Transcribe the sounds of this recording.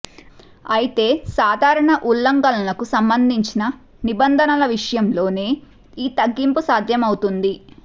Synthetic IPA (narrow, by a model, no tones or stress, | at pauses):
ɐjit̪e̞ːsaːd̪ʱaːɾɐɳɐʔulːɐŋɡɐlɐlɐkusɐmbɐnd̪ʱiɲt͡ʃinɐ | nibɐnd̪ʱɐnɐlɐʋiʂɐjɐmlo̞ːneː | iːt̪ɐɡːimpusaːd̪ʱjɐmɐwut̪und̪i